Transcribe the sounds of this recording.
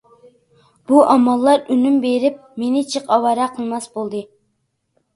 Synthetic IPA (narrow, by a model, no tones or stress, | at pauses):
b̥uʔɑmɑlˠːɑɾynymbeɾɪp̚menɪt͡ʃʰəqɑwɑɾɑqʰəlˠmɑsbolˠd̪ɨ